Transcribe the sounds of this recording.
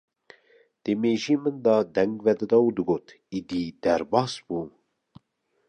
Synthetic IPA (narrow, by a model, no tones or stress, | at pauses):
d̪̥emeʒimənd̪ɑd̪ɛŋɡvɛd̪ɨd̪ɑwd̪ɨɡot̪ | id̪id̪̥æɾbɑːsbu